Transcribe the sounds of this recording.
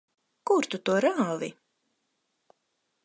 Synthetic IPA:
kuɾt̪ut̪uɔɾaːvḭ

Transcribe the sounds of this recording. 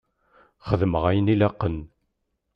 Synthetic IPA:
χəðməʁæjənilɑqːən

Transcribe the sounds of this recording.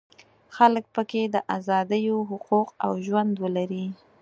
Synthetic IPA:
xalək̚pəked̪əʔazɑd̪əjoɦʊquqa̰wʒwand̪wəlaɾi

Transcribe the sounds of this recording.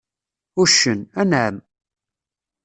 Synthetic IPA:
ʊʃənænʕəm

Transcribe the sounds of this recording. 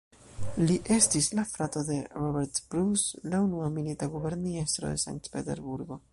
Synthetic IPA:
liʔe̞stislafɾato̞de̞ɾobe̞ɾtb̥ɾuslaunuamilitaɡube̞ɾniestɾo̰de̞̰sa̰ŋk̚tpe̞te̞̰ɾbuɾɡo̞

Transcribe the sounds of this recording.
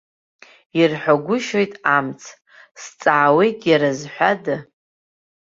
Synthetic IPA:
irħʷaɡʷʊʃo̞jtʼamt͡sʰ | st͡sʼaːwejkʼjaɾazħʷadɨ

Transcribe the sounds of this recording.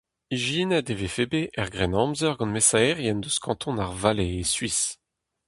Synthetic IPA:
iʒinɛd̪evefebeʔɛʁɡʁɛnɑ̃mzœʁɡɑ̃nmesaɛʁjɛnd̪øskʰɑ̃t̪ʰɔ̃naʁvaleːsɥis

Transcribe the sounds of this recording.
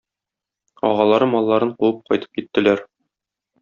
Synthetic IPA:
ɒ̰ʁɑlˠɑɾɤmɒlˠːɑɾɤɴquwɤp̚qɒjt̪ɤ̥p̚kit̪ːɘ̆læɾ

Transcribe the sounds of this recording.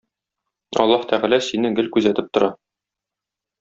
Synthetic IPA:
ɒ̰lˠːɑht̪ʰæʁælæsinɘɡɘlkʉzæt̪ɘp̚t̪ŏɾɑ

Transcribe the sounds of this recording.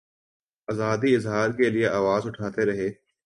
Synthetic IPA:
ɐzaːd̪iɪzɦaːɾkelieʔaːʋaːzʊʈʰaːt̪eɾɐɦeː

